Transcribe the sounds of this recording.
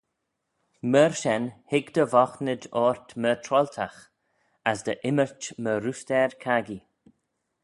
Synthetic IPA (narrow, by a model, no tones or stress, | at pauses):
məɹʃɛnhɪɡd̪əvɔxnɪd͡ʒɔːɹt̪mət̪ʰɾɔlt̪ʰax | asd̪əʔɪmət͡ʃməɾust̪ɛɹkʰaɡi